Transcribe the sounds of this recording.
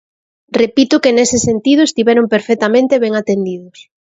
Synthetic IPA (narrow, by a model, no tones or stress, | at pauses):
repit̪ʊkenesɪsent̪iðʊest̪iβɛɾompeɾfet̪amẽnt̪eβeŋat̪end̪iðʊs